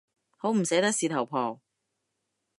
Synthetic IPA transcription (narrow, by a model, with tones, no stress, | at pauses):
ho˨˥wm̩˨˩seː˨˥t̪ɐ˥k̚siː˨˧t̪ʰɐ˨˩wpʰɔː˨˩w